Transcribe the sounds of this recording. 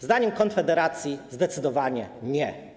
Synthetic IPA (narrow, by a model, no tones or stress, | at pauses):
zd̪aɲɛmkɔnfɛd̪ɛɾat̪sʲjizd̪ɛt̪sɘd̪ɔvaɲɛɲɛ